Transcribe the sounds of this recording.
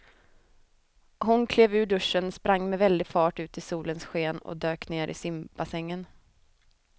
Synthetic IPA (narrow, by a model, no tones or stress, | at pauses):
ɦʊnkʰleːvʉ̟ːɖɵʂːənspɾaŋːmɛvɛld̪ɪɡfɑːʈʉ̟ːt̪ɪsuːlənsɧeːnɔ̰d̪øːkneːɾʔɪ̰sɪmpbasɛŋːən